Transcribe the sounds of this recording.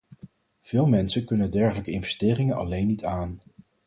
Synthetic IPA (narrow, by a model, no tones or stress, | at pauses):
v̥ɪːlˠmɛnsəkɵnədɛɹχələkəɪnvɛstɪːrɪŋənɑ̰lejnːitʰaːn